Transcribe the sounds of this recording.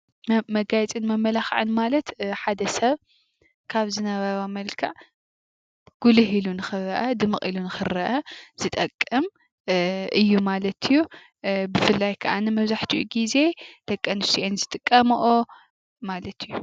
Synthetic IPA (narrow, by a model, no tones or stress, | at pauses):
mɐɡajt͡sʼɨnmɐmːɐlaxʕɨ̰nmalɐt̪ħad̪ɐsɐβ | kʰaβzɨnɐβɐɾomɐlkʰaʕ | ɡ̥ulɨɦilunɨxɨrɐʔɐd̪ɨmɨχʼilunɨxɨrɐʔɐz̥ɨt̪ʼɐkʼːɨm | ʔɨjːumalɐt̪ʰɨjːu | bɨfɨlːajkʰɐʔanɨmɐβzaħt̪ʰiʔṵɡize̞d̪̥ɐkʼːɐnɨsiʔenzɨt̪ʼɨkʼːɐmʔo | malɐt̪ʰɨjːu